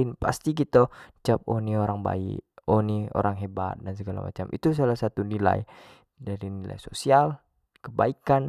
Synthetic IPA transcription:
inpa̰st̪ikit̪at͡ʃəp̚onioɾaŋba̰ḭʔonio̰ɾaŋɦeba̰t̪̚dans̬əɡala̰ma̰t͡ʃamʔḭt̪us̬alahsat̪unila̰j | daɾinila̰jsosial | kəbaikan

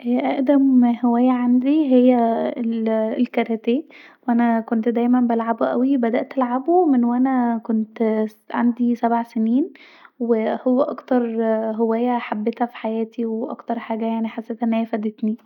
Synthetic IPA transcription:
ʔæʔæʔd̪æmhewæːjːæʕand̪iɦejːæelelkæɾˤæt̪æː | wʔænækont̪d̪æjmænbælʕaboʔæ̰wibæd̪æʔt̪ʔælʕabomenwʔænækont̪ | ʕa̰nd̪isæbʕseniːn | wehowːæʔɑkt̪ɑɾˤɦowæːjːæħabːet̪hæfi̥ħajæːt̪iweʔɑ̰kt̪ɑɾˤħaːɡæjaʕniħasːeːt̪ʔenːhæjːfæd̪et̪ni

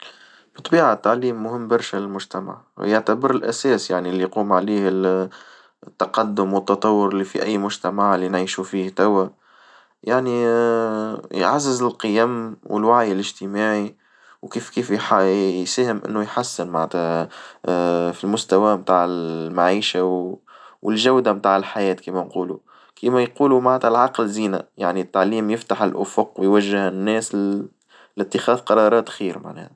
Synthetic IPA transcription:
b̥ɨt̪ˤbiːʕat̪ːaʕliːmːʊhɪmːbɑɾˤʃælɪlmʊʒt̪ama̰ʕ̰jaʕt̪abəɾɪlʔæsɛːsjaʕnilːijquːmʕaliːhɪ | t̪ːɑqɑd̪ːʊmwət̪ːɑt̪ˤɑwːʊɾɪlːifḭʔæ̰jːmʊʒt̪æmaʕlinʕiːʃufiːht̪æwːæ | jaʕni | jʕazːɪzɪlqɨjæmwɪ̰lwaʕjɪlɪʒt̪ɪmaːʕi | wkiːfkiːfjħajsæːhɪmʔɪ̰nːʊjħasːɪnmaʕt̪æ | filmʊst̪æwæmt̪aːʕɪmaʕiːʃawwɪlʒæwd̪amt̪aːʕɪlħajɛːt̪kiːmænquːlu | kiːmæjquːlumaʕt̪ælʕɑqlziːnaja̰ʕnit̪ːaʕliːmjɪft̪aħɪlʔʊfʊqwɪjwæʒːɪhɪnːɛːs | lɪt̪ːɪxɑːðqɑɾˤɑːɾˤɑːt̪xiːɾma̰ʕnɛ̰ːh

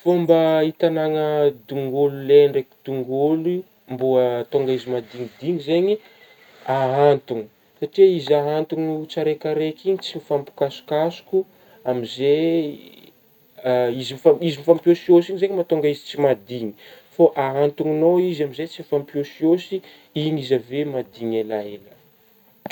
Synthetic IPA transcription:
fombait̪anaŋəd̪uŋɡululeɳreki̥d̪uŋɡolu | mbuət̪oŋɡaizimad̪iŋid̪iŋizeɲi | aɦant̪uŋi̥ | saʈ͡ʂiizaɦant̪uŋut͡saɾekaɾekiɲit͡simifampu̥kasu̥kasu̥ku | amize | izimifaizimifamposiosiɲzeɲimat̪oŋɡaizi̥t͡simad̪iɲi̥ | foʔaɦant̪uŋinoizamizet͡sifampjosiosi | inizavemad̪iɲelaelə

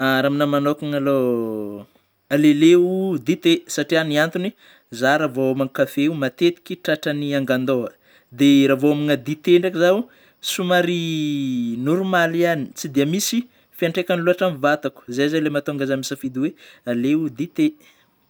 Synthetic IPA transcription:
aɾaminamanokaŋalo | aleleud̪it̪esaʈ͡ʂianiant̪uni | zaɾavoamaŋkafeumat̪et̪i̥kʲiʈ͡ʂaʈ͡ʂaniaŋɡand̪oə | d̪eɾavoamiŋad̪it̪eɳɖ͡ʐakizau | sumaɾi | nuɾumaliani̥t͡sid̪eəmisi | fiaɳʈ͡ʂekanluaʈ͡ʂamivat̪aku̥zazalemat̪oaŋɡazamisafid̪iwealeud̪it̪e

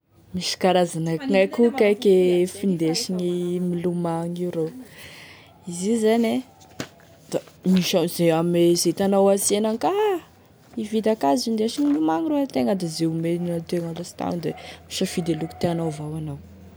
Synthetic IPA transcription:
miʃi̥kaɾazanakiŋajkukajkefind̪eʃiɲimilumaŋiwɾew | izizane | d̪̥amiʃazeamezet̪anawasenaŋkaɦ | ivid̪akazind̪eʃiɲmilumaŋiroat̪eŋəd̪azeumenat̪eŋalasi̥t̪a̰nd̪emiʃəfid̪eluku̥t̪eanawvawanaw

